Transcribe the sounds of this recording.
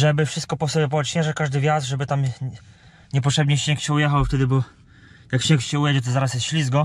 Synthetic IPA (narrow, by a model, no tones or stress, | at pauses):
ʐɛbɘfʂɘst̪̚kɔpɔsɔbʲɛp̬ɔɛt͡ʃɲɛʐɛkaʐd̪ɘvʲjasʐɛbɘt̪am | ɲɛp̬ɔtʂɛbɲeɕɛkɕɛujɛxawft̪ɛd̪ɘbɔ | jakɕɛkɕɛujɛd͡ʑɛt̪̬ɔzaɾasjɛst̪ɕlʲizɡɔ